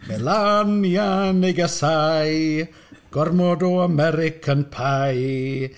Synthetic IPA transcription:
mɛlanjanejɡəsaj | ɡ̥ɔrmɔdɔamɛɾɪkʰənpʰaj

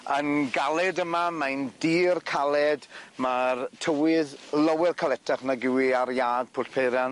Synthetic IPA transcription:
ənɡalˠɛdəmamajndiːrkʰalˠɛdmartʰəwɪðləwɪrkʰalˠɛtʰaχnaɡɪwiaɾjaːɡ̥̚pʰʊːtpʰejɾjan

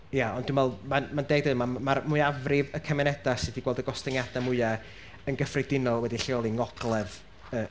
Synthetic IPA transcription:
jaɔndumvɛlˠmanmandeːɡ̚dɨðmamaɾmʊɨavrɪvəkʰəmɛnɛd̥asɪdiɡwɛlˠdəɡɔstɛŋjadamʊɨa | ənɡəfrɪdɪnɔlˠwɛdiɬɪɔlˠiŋɔɡ̥lˠɛð | ə

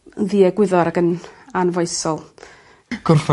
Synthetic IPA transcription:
ðiːɛɡwɪðɔɾaɡənanvɔjsɔlˠ | ɡ̥ʊrf

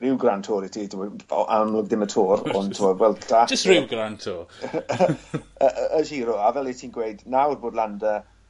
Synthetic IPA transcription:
rɪwɡrantʰɔːɾɪtʰitʰɪmɔ̰ʔamlˠɔɡðɪmətʰoːɾɔ̰ntʰɪmɔdwɛlˠtʰad͡ʒɪɡɾantʰo | əʔəəʃiːɾɔavɛlˠitʰiːnɡwejdnawrboːdlandə

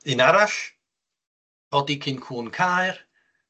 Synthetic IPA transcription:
ɪnaɾaɬ | ɔdikʰɪnkʰuːnkʰajr

